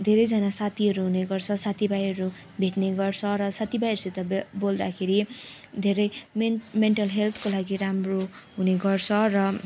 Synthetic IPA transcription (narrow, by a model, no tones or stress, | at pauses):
d̪ʱeɾʌjd͡zanasat̪ʰiɦʌɾuɦuneɡʌrt͡sʰʌsat̪ʰibajʌɾu | bʱeʈneɡʌrt͡sʰʌɾʌsat̪ibajʌɾuset̪ʌbold̪akʰeɾid̪ʱeɾʌjmeɳʈʌlɦelt̪ʰkolaɡiɾamroɦuneɡʌrt͡sʰʌrʌ